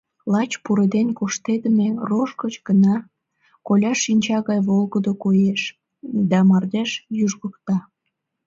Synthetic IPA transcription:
lɑt͡ɕpuɾed̪enʲkoʃt̪ed̪əmeroʃkət͡ɕɡənɑ | kolʲɑʃːinʲt͡ɕɑɣɑjβolˠɣəd̪okojeʃ | d̪ɑmɑrd̪eʃjuʒɣəkt̪ɑ

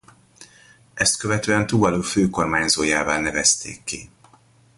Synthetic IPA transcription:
ɛst̪køvɛt̪øːɛnt̪uːbɒloːføːko̞rmaːɲzoːjaːvaːlnɛvɛst̪ḛːkːi

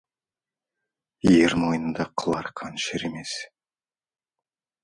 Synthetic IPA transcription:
jeɾmo̞jənənd̪ɑqʰəlˠɑɾqʰɑnʃeɾeme̞s

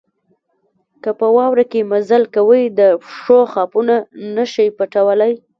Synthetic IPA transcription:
kəpəwɑwɾakemazalkawəjd̪əʂoxɑpunanəʃəjpaʈawəlaj

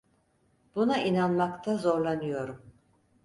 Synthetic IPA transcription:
b̥unainanmakt̪ʰazo̞ɾlˠanɯjo̞ɾum

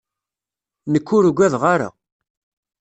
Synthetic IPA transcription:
nəkːʊɾuɡʷæðʁaɾa̰

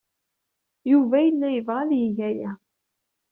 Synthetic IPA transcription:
juvæjəlːæjəvʁaljəʝæjæ

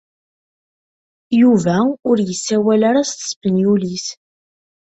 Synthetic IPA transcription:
juvæʊɾjəsːæwælaɾast̪ə̥sbənjulis

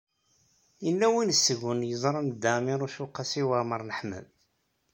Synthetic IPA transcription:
jənːæwinəsːəɣʊnjəzˤɾˤənd̪ːæmiɾˤʊʃuqːasiwəməɾˤnəħmə̰ð

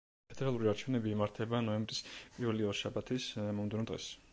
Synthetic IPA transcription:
pʰɛd̪̥ɛɾalˠuɾiaɾt͡ʃʰɛvnɛbiːmaɾt̪ʰɛbanɔɛmbɾispʼiɾvɛliɔʃabat̪ʰismɔmd̪ɛnɔd̪ʁɛ̰s

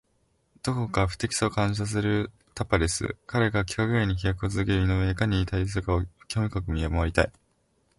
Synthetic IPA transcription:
d̪̥o̞ko̞kaɸɯ̟̥t̪e̞kʲi̥saokãɰ̃ɕ̬as̬ɨɾɯ̟ | t̪apaɾʲesɨ̰kaɾe̞ɡakʲi̥kaɡɯ̟eɲ̟içijakɯot͡sɨzɨke̞ɾɯinoeːkaɲ̟iːt̪ais̬ɨɯkaokʲoomʲikakɯ̟mʲiamaβaɾit̪ai

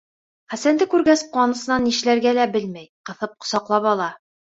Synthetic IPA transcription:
χæsænd̪ɘkʉɾɡæsqwɑnɤ̆sɤ̆nɑnːiʃ̆læɾɡælæbɘlmæjqɤ̆θɤp̚qŏ̥sɑqlˠɑpɒlˠɑ

